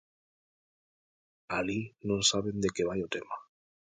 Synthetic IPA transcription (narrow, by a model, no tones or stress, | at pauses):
alinõnsaβend̪ekeβajot̪ema